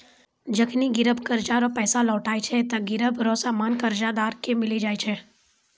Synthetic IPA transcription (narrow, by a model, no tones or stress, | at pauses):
d͡ʒəkʰniɡɪɾəbʱkɐɾd͡ʒaɾɔpɛːsalɔːʈaːet͡ʃʰɛt̪ɐɡɪɾəbʱɾɔːsaːmaːnkɐɾd͡ʒad̪aːɾkemɪlid͡ʒaːet͡ʃʰɛː